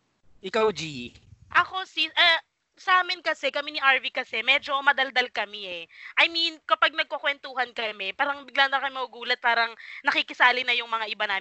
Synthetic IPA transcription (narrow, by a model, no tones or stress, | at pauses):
ʔɪkawd͡ʒi | ʔɐko̞siʔɐ | sɐʔaːmɪnkɐsɛkɐminiʔaɹvikɐsɛmɛd͡ʒo̞mɐd̪ɐld̪ɐlkɐmɛʔɛʔɐjminkɐpaɡ̚nɐɡ̚kokwɛnt̪uhɐnkɐmɛpaːɾɐŋbɪɡ̚laŋnɐkɐmɪmɐɡʊɡuːlɐt̪̚paːɾɐŋnɐkikɪsaːlɪnɐjʊŋmɐŋaʔɪbanaːm